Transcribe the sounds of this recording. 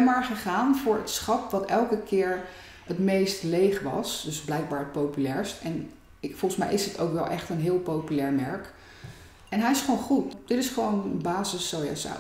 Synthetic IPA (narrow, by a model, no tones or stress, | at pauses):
maːɹχəχaːnvʊːɹətsχɑpʋɑtɛlˠkəkʰɪːɹ | ətmejstlejχʋɑ̰sdɵzblɛjk̚baːɹət̚powpylɛːɹstɛn | fɔlˠəsmɛ̰jʔɪsdɪto̰wkʋɛlˠʔɛχtənɦɪːlˠpowpylɛːɹmɛɹk | ɛnɦɛjɪsχəʋownχutd̥ɪtɪsχəʋownənbaːzəsowjɛ̰sa̰